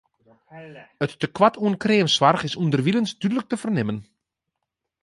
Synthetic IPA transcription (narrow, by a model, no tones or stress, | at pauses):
ətːəkwatʰuənkreːmsʋarχɪsundərʋilənsdydələk̚təfərnɪmən